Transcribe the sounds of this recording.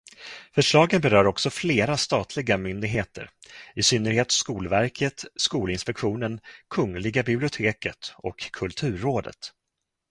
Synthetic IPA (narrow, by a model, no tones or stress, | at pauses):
fœʂɭɑːɡənbɛɾœːɾɔksɔfleːɾast̪ɑːt̪ʰlɪɡamʏnd̪ɪɡɦeːt̪ʰə̰ɾɪsʏnːəɾheːt̪skuːlvæɾkʰət̪skuːlɪnspɛkɧuːnənkʰɵŋlɪɡabɪblɪʊt̪ʰeːkət̪ɔ̰kʰːɵlt̪ʰʉ̟ːɾːoːd̪ə̰t̪